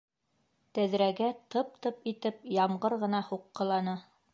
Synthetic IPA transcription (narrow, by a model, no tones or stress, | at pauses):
t̪æðɾæɡæt̪ɤp̚t̪ɤpit̪ɘp̚jɑmʁɤɾʁɤ̆nɑhuqːɤ̆lˠɑnɤ